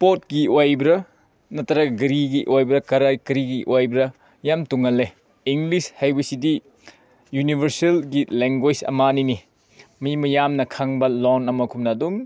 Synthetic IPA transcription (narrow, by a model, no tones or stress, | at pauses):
pot̚ɡiojbɾɐ | nɐtʰɐɾɐkɡɾiɡiʔojbɾɐkɐɾakɾiɡiʔojbɾɐ | jamtuŋɐlːe | iŋɡlishajbɐsidi | junibʱɐɾselɡileŋɡwed͡ʒɐ̰manini | mimɐjamnɐkʰaŋbɐlonɐmɐkʰumnɐːdum